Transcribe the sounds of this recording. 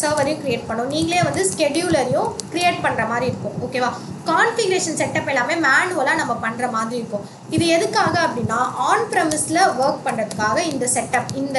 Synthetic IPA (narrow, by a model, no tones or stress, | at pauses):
sɐːɾʋɐɾɐjʊ̃kɪɾieːʈ̚pɐɳːʊ̃niːŋɡɐɭeːʋɐnd̪ɯskɛɖjuːlɐɾjʊ̃kɪɾɪeːʈ̚pɐɳːɾɐmaːd̪ɾiɪɾɯkːʊ̃oːkeːʋaː | kaːnfɪɡɐɾeːʂɐnsɛʈːɐpːɛlːaːmeːmaːnɯʋɐlãːnɐmːɐpɐɳːɾɐmaːðɾiɪɾɯkːʊ̃ː | ɪðɯɛðɯkːaːɣɐɐpːɐɽɪnːãːʔaːnpɾɐmɪslɐʋɐɾk̚pɐɳrɐðɯkːaːɣɐɪnd̪ɐsɛʈːɐpɪnd̪